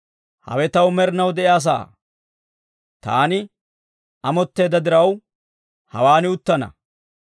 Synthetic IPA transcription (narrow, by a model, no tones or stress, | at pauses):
hɐ̰wɛt̪ɐwmɛɾɪnɐwd̪ɛʔjaːs̬a̰ː | t̪a̰ːnɪ | ɐmɔt̪ːe̞ːd̪ːɐd̪ɪɾɐw | hɐ̰waːnɪʊt̪ːɐnɐ̰